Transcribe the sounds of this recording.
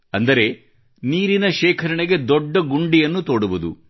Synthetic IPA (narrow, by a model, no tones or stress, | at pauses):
ɐnd̪ɐɾe̞ | niːɾinɐʃɛːkʰɐɾɐɳeɡe̞d̪ɔɖːɐɡuɳɖijɐnːut̪o̞ːɽuʋud̪ṵ